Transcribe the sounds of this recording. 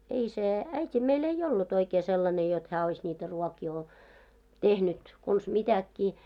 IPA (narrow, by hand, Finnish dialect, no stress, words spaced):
ei se æitʲi meil ei olːut oikeː selːɑne jot hæː ois nʲiːtæ ruɔkiː o tehnyt kons mitækːiː